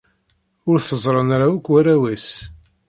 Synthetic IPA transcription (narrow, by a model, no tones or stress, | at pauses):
ʊɾθəzˤɾˤənɾawækʷːwæɾæwæs